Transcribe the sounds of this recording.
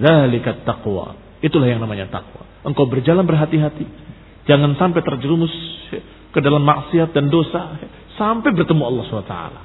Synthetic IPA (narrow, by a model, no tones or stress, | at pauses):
ðalɪkat̪ːaqwa̰ | it̪ulahjaŋnamaɲat̪a̰qwa̰ | ʔəŋkawbərd͡ʒalanbərɦat̪iɦat̪i | d͡ʒaŋansampet̪ərd͡ʒəɾumʊs | kədalamːaʔsiat̪̚dandosa | sampɛjbərt̪əmuɑlːɑhsanat̪a̰a̰la